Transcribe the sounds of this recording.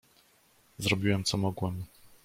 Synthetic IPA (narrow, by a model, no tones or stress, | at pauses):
zɾɔbʲiwɛmt̪sɔmɔɡwɛm